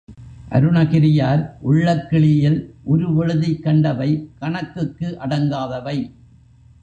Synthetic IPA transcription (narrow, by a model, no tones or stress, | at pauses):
ʔɐ̰ɾɯɳɐɣɪɾɪjaːɾʔʊɭːɐkːɪɭɪjɪlʔɔɾɯʋɛɻɯðɪkːɐɳɖɐʋɐɪkɐɳɐkːɯkːɯʔɐɽɐŋɡaːðɐʋɐɪ